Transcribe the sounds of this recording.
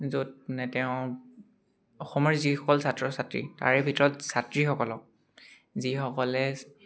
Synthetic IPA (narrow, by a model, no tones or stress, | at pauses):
zod̚nɛtɛʊ̃ | ɔxɔmɔɹzixɔkɔlsatɹɔsatɹḭta̰ɹɛbʱitɔɹɔtsatɹixɔkɔlɔk̚ | zixɔkɔlɛ